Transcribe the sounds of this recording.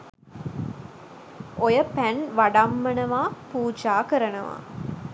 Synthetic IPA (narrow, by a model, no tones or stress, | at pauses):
ʔojəpænʋaɖɐmːɐnɐʋaːpuːd͡ʒaːkəɾɐnɐʋa̰ː